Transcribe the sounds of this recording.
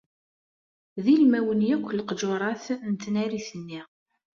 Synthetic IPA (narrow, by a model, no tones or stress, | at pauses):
ðilmæwənjækʷːlqd͡ʒoɾˤɑθnt̪ːnæɾiθənːi